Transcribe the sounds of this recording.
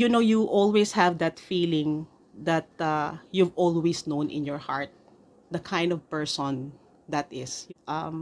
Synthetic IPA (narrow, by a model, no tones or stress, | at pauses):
junoʊjuʔɔlweshævd̪ɐt̪filɪ̃ŋ | d̪ɐt̪̚ajuvɔlˠwesnõʊ̃nʔɪ̰̃njɔɹhaɹt̪̚ | d̪ɐkʰãj̃nd̪ɔv̥pɛɹsɔ̃n | d̪ɐt̪ɪsʔʌ̃m